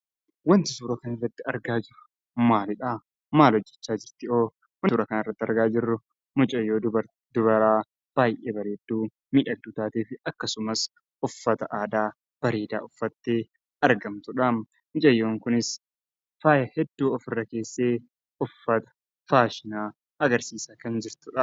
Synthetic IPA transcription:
wɐnt̪ɪsuːɾɐkɐnɪrːɐt̪ːɪɐɾɡaːd͡ʒɪɾʊ̥ | maːlɪᶑaː | maːlɔd͡ʒːɛ̥t͡ʃːaːd͡ʒɪɾt̪ɪoː | wːɾɐkɐnɪrːɐt̪ːɐ̰ɾɡaːd͡ʒɪrːʊ | mʊt͡ʃʼɐjːoːɐ | d̪̥ʊbɐɾaː | b̥aːjʔeːbɐɾeːd̪ːuː | miᶑɐd̪uːt̪aːt̪eːfɪɐkːɐsʊmɐs | ʊfːɐt̪ɐʔaːd̪aː | b̥ɐɾeːd̪a̰ːʊfːɐt̪ːeː | ɐɾɡɐmt̪ʊᶑam | mʊt͡ʃʼɐjːoːŋkʊnɪs | faːjɐhɛd̪ːuːɔfɪrːɐke̞ːsːeː | ʊfːɐt̪ɐ̥ | faːʃɪnaː | ɐɡɐɾsiːsaːkɐnd͡ʒɪɾt̪ʊᶑɐ

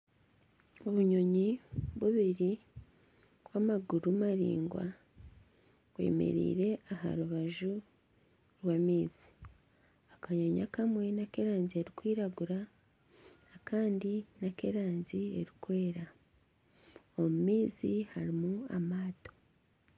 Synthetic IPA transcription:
oβuɲo̞ɲiβuβiɾi | βwamaɡuɾumaɾḭːŋɡwa̰ | ɡwe̞̰mḛɾḭːɾe̞ʔaɦa̰ɾuβaʒu | ɾwaːmiːz̥i̥ | akaɲo̞ɲa̰kamwe̞nake̞ɾaːɲzieɾikwiːɾaɡuɾa | kʰaːndinake̞ɾaːɲzie̞ɾikwe̞ːɾa | omumiːzihaɾimua̰maːto̞̥

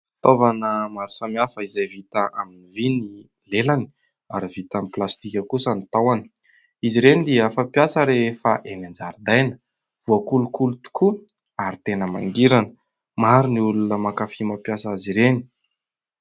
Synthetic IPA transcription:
t̪ovanəmaɾu̥samiafəizajvit̪aʔaminivini | lelani̥ | a̰ɾivit̪amiplast̪ikʲəkusənit̪awani̥ | iziɾenid̪iəfapjasəɾefaʔenand͡zaɾd̪ajnə̥ | v̥uakulukulut̪u̥kʰu | aɾit̪enəma̰ŋɡiɾanə | maɾuniulunəmakafimapjasaaziɾeni̥

